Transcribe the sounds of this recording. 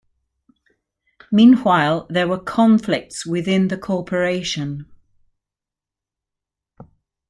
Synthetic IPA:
mĩːnwaɪlˠðəwəkʰɒ̃ɱflɪk̚tswɪðɪ̃nðəkʰɔˑpʰəɹeɪʃə̃n

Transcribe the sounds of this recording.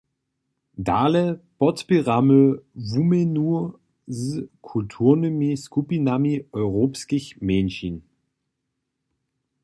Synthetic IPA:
daːləpɔtpiʁamøvumenu | zkʰultʰuːɐnymiskupinamiɔʏʁoːpskɪçmenʃin

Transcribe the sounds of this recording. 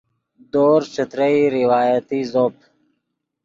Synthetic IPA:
d̪oːɾt͡ʃət̪ɾəiɾiwaːjət̪izoːp̚

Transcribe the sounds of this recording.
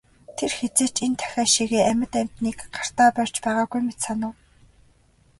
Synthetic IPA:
t̪ʰerxet͡seːt͡ɕent̪ʰæ̥xʲæːʃiɣeːæmʲɪ̆t̪æm̥t̪niːkɢar̥t̪aːpœr̥ʲt͡ɕpæːʁaːɣujmet̪sanʊ̆ː

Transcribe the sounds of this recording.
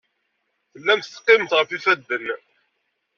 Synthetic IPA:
θəlːæmθt̪ːqːɪmt̪ʁəfifæd̪ːən

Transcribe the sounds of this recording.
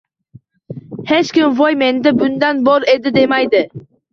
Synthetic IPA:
he̞t͡ʃkʲɪmvojme̞nd̪abʊnd̪anbɒɾe̞d̪ɪd̪e̞majd̪ɪ

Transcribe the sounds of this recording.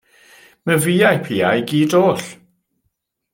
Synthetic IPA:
məviːajpʰiːajɡiːdoːɬ

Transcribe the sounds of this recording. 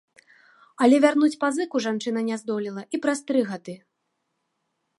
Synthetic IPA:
ɐlʲɛvʲarnut͡sʲpazɨkuʐant͡ʂɨnɐnʲazd̪ɔlʲilˠɐʔipɾast̪ɾɨɣad̪ɨ

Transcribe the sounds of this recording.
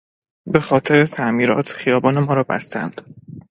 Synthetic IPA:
be̞xɒːt̪ʰeɾet̪ʰæʔmiːɾɒːt̪ʰxijɒːbɒːne̞mɒːɾɒːbæ̰st̪ænd̪̥

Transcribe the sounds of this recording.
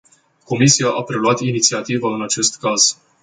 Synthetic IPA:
ko̞misiaʔapɾe̞luat̪init̪siat̪ivaɨnat͡ʃe̞st̪kaz̥

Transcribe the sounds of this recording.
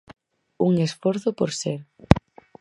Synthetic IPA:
uŋesfoɾθopoɾseɾ

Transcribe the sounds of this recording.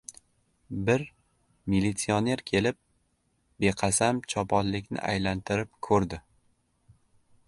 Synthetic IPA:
bɪɾ | milit̪sione̞ɾkʲʰe̞lɪp̚ | be̞qʰɑsamt͡ʃʰɒpʰɒnlɪkʲnɪ̰ʔa̰jlant̪ʰɪɾɪp̚kʰɵɾd̪ɪ

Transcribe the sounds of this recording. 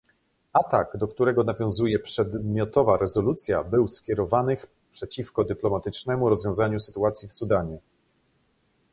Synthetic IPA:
at̪aɡd̪ɔkt̪uɾɛɡɔnavʲjɔ̃w̃zujɛpʂɛd̪mʲjɔt̪ɔvaɾɛzɔlut̪sʲja̰bɘwskʲjɛɾɔvanɘx | pʂɛt͡ɕifkɔd̪ɘplɔmat̪ɘt͡ʂnɛmuɾɔzvʲjɔ̃w̃zaɲusɘ̥t̪uat̪sʲjifsud̪aɲɛ

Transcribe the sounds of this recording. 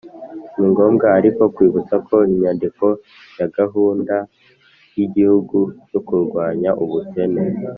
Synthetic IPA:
niŋɡo̞ːmɡaːɾiko̞kwiːβut͡sakʰo̞iɲandiko̞ | jaɡaɦuːnda | jiɟihuɡujokuɾɡwaːɲaʔuβute̞ne

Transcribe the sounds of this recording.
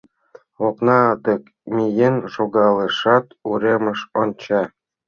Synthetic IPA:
oknɑt̪ək | mʲijenʃoɣɑleʃɑt̪uɾemə̆ʃont͡ɕɑ

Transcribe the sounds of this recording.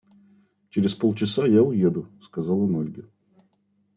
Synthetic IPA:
t͡ɕɪɾʲɪspolˠt͡ɕɪsajaʊjed̪ʊskɐzalˠənolʲɡʲə

